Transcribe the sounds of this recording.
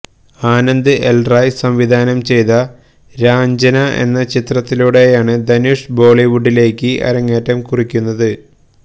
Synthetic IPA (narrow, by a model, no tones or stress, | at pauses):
aːnɐnd̪ɨʔelrɐjsɐmʋid̪ʱaːnɐmt͡ɕe̞jt̪ɐ | ɾaːɲd͡ʑɐnɐʔe̞̰nːɐt͡ɕit̪rɐt̪ːiluːɽe̞jaːɳɨd̪ɐnuʂbo̞ːɭiʋuɖːile̞ːkʲːɨʔɐ̰ɾɐŋːeːtːɐmkurikʲːunːɐðɨ